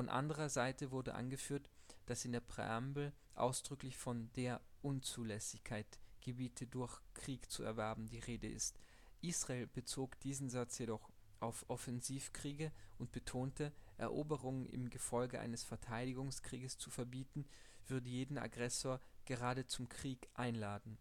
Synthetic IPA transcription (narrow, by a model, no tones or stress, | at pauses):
fɔnʔa̰ndəʁ̞ɐzaɪtəvʊɐdə̰ʔa̰nɡəfyːɐtd̥asɪndeːɐpʁ̥ḛambl̩ | ʔa̰ʊsd̥ʁʏklɪçfɔndeːɐʔʊnt͡suːlɛsɪçkʰaɪtɡ̥əbiːtʰədʊɐçkʁ̥iːkt͡suɛ̰ɐvɛɐbm̩diːʁeːdəɪ̰st | ʔiːsʁ̥aeːlbət͡soːkd̥iːzn̩zat͡sjedɔχ | ʔaʊfʔɔfɛnziːfkʁ̥iːɡəʔʊnt̚b̥ətʰoːntəʔɛ̰ɐʔoːbəʁʊŋənʔɪ̰mɡəfɔlɡəʔa̰ɪnəsfɛɐtʰaɪdɪɡʊŋskʁ̥iːɡəst͡sufɛɐbiːtn̩ | v̥ʏɐdəjeːdn̩a̰ɡʁɛsoːɐɡ̥əʁaːdət͡sʊmkʁ̥iːkʔaɪnlaːdn̩